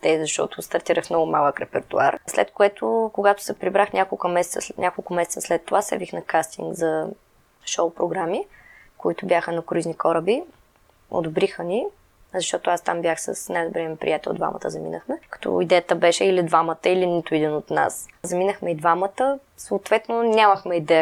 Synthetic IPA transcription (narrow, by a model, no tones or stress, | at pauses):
t̪ɛzɐʃt̪ɔ̰t̪ʊst̪ɐɾt̪iɾəxmnɔɡʊma̰lˠəkɾɛpɛɾt̪ṵa̰ɾslɛ̰t̪kʊɛt̪ʰʊkoɡat̪ʊ̥sɛpɾibɾaxnʲʔakolˠkumɛsɛt̪sə̰nʲʔakolˠkʊmɛsɛ̥t̪səslɛt̪ːovasɛ̰bixnɐkast̪ḭŋɡzɐ | ʃowpɾoɡɾami | kʊit̪ʊbjaxənɐkɾiznʲikɔɾəbi | o̰d̪obɾixəni | zɐʃt̪ɔt̪ʊast̪ambjaxsə̰snajd̪obɾɛəmɛpɾḭjat̪ɛl̰ˠd̪va̰mʔɐ̰t̪əzɐmḭnəxmɛkɐ̥t̪ʰɔ̰id̪ɛjət̪əbɛʃɛilid̪vamət̪əilinit̪ʊid̪inot̪na̰szɐminəxmɛid̪vamət̪ə | soːt̪vɛt̪nonʲaməxmɛid̪ɛə